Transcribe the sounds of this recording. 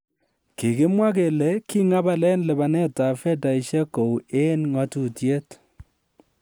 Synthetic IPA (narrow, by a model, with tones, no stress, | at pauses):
ki˨kɪ˦mwa˦k̬e˨lɛ˨˦ki˦ŋa˦ba˦lɛ˦nlɛ˨ba˨nɛ˦ta˨fɛ˦ta˨i˨ʃɛ˦ko˨we˦nŋɔ˨tu˨tje˦t